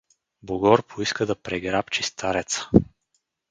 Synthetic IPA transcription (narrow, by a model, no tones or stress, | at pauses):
boɡɔɾpʰoiskəd̪ɐpɾɛɡɾapt͡ʃist̪ʰaɾɛt̪sə̥